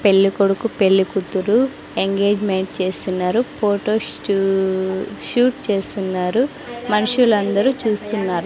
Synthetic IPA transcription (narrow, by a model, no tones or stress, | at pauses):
pe̞lːikoɽukupe̞lːikut̪ːuɾu | eŋɡe̞ːd͡ʒmeɳʈt͡ʃe̞ːst̪unːaːɾupʰoːʈo̞ː | ʃuːʈt͡ʃe̞ːst̪unːaːɾu | mɐnuʂulɐnd̪ɐɾut͡ʃuːst̪unːaːɾu